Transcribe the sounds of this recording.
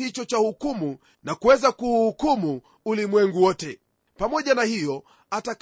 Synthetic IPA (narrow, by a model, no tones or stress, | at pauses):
it͡ʃɔt͡ʃahukumu | nakuwɛzakuhukumuː | limwɛŋɡuwɔtɛ | pamɔʄanahijɔ | atak